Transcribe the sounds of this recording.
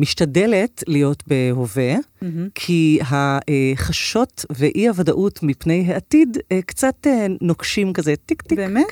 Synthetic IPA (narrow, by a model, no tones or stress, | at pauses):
miʃtadeletlijo̞tbe̞ɦove̞kʰiɦaeχaʃo̞tveʔiavadaʔutmipnejɦaatidekt͡satenokʃimkazetikt̪ibemt